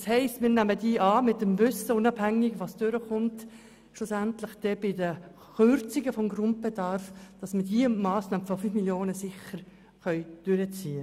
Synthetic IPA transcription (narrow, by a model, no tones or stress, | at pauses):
shɛɪstmɪːɾnæmədiːʔɑːmɪt̚ːəmvʏsəʊnɑbhæŋɪɡʋɑsd̥øɾəχʊnt | ʃlʊsæntlɪχd̥ɛbɪdə | χʏɾt͡siɡəfɔmɡɾʊnt̚b̥edɑɾfd̥ɑsmədiːmɑːsnɑːməfɔfyfmiljoːnəsɪχəɾ | χœʏd̥ʏɾət͡siːə